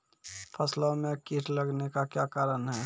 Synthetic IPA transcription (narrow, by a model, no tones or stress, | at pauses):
pʰəslomẽkiʈʰləɡnekakjaːkaːɾənɦɛː